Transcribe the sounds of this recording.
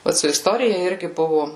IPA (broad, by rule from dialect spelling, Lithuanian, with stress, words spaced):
ˈʋɐt sʊ ɪsˈtoːrʲɪjɛ ˈɪrʲɡʲɪ ˈbʊʋʊ